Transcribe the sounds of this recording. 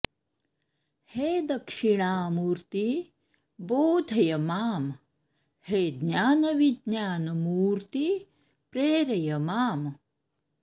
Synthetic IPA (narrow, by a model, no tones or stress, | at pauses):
heːd̪ɐkʂiɳaːmuːɾt̪i | boːd̪ʱɐjɐmaːm | heːd̪njaːnɐʋid̪naːnɐmuːɾt̪i | pɾeːɾɐjɐmaːm